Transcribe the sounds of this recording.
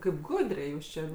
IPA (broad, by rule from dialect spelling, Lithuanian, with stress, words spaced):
ˈkɐɪp ˈɡʊdʲrʲɛɪ ˈjuːs t͡ʃʲɛ